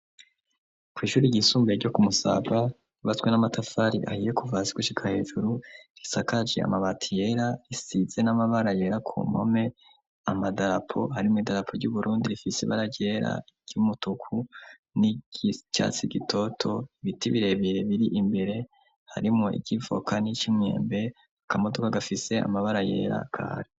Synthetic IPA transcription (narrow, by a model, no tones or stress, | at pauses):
kwiːʃuːɾiɟisuːmbeɾɟo̞kumusa̰ɡa | uβat͡swenamatʰafaɾḭʔa̰hije̞kuvaziɡuʃikʰahe̞ːʒuɾuɾisakad͡ʒea̰maβatʰije̞ɾaɾisize̞namaβaɾaje̞ɾakʰṵmho̰me̞ | amadaɾapʰo̞haɾimuidaɾapʰoɾɟuβuɾuːndiɾifisiβa̰ɾaɟe̞ɾa̰ | ɟ̥ɟ̥umutukʰu | ni̥ca̰ːt͡siɡitʰo̞tʰo̞iβitiβiɾe̞βiɾe̞βiɾiʔimbe̞ɾe̞ | ha̰ɾimŋoḭɟivo̞̰kʰanit͡ʃimŋḛːmbe | akamo̞do̞kaɡafise̞a̰maβaɾaje̞̰ɾa̰kʰa̰ːɾi